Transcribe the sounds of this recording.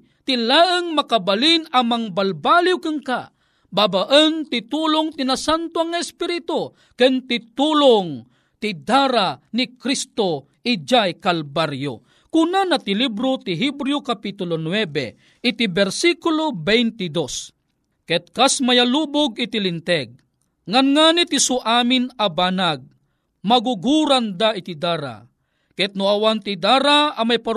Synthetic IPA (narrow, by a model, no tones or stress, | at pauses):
t̪ilaːʔɨŋmakabalinamaŋbalbaliwkɨŋka | babaʔənt̪ɪt̪ulʊŋt̪ɪnasant̪oaŋːaɛspiɾit̪o | kɨnt̪ɪt̪uloŋ | t̪ɪd̪aɾanikɾist̪o | ɪd͡ʒajkalbaɾjo̰ | kunanat̪ɪlibɾot̪ɪɦibɾiokapit̪ʊlonwɛbɛ̰ | ɪt̪ibɛɾsikʊlobɛjnt̪ɪd̪os | kɛt̪̚kasmajaluːbʊɡɪt̪ɪlɪnt̪ɛɡ̚ | ŋanŋaːnit̪isʊʔaːmɪnabanaɡ̚ | maɡuɡuɾand̪aʔɪt̪id̪aːɾa̰ | kɛt̪̚nʊawant̪id̪aːɾaamajpa